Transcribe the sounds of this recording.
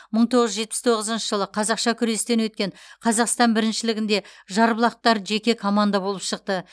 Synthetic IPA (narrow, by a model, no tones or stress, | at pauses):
məɴt̪ʰo̞ʁəʒʒe̞t̪̚pɪst̪ʰo̞ʁəzənʃəʒəlˠəqʰɑzɑqʃɑkʲʰʏɾe̞st̪e̞nwɵt̪kʲe̞ɴqʰɑzɑqst̪ɑnbɪɾɪnʃɪlɪɡʲɪnd̪e̞ʒɑɾblˠɑq̚t̪ɑɾʒe̞kʲe̞kʰo̞mand̪abo̞lˠəpʃəq̚t̪ə